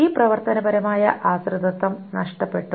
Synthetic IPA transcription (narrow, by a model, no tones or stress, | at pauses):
iːprɐʋɐrt̪ɐnɐbɐɾɐmaːjɐʔaːsrɨd̪ɐt̪ːɐmnɐʂʈɐpːe̞ʈːu